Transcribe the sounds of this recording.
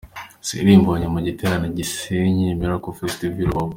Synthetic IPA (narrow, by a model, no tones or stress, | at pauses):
sḭɾimboaɲamaɟitʰeɾanaɟiseɲimiɾakofestivilwo